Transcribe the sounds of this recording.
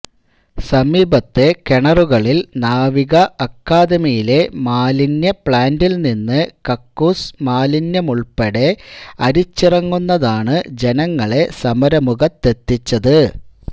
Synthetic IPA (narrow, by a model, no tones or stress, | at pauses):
sɐmiːbɐt̪ːe̞ke̞ɳɐruɣɐɭilnaːʋiɣɐɐkːaːd̪ɐmijile̞maːlinjɐpɭaːndilninːɨkɐkːuːsmaːlinjɐmuɭpeɽe̞ɐɾit͡ɕːirɐŋːunːɐðaːɳɨd͡ʑe̞nɐŋːɐɭe̞sɐmɐɾɐmuɣɐt̪ːe̞t̪ːit͡ɕːɐðɨ